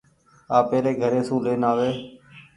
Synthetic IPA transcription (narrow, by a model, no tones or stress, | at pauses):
aːpeːleːɡʱəɾeːsũːleːnaːʋeː